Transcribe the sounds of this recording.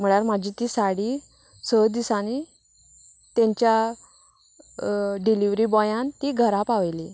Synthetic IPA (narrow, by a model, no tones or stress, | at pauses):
m̤əɽaɾmad͡ʑʱit̪iːsaɽi | səd̪isani | t̪jãɲt͡ɕja | ɖiliʋɾibɔjãnt̪iɡʱəɾapaʋli